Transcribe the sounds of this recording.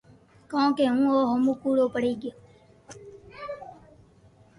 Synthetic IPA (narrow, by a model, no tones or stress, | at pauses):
kõːkeːũːoːɦəmuːkuːɽoːpəɽiːɡɪo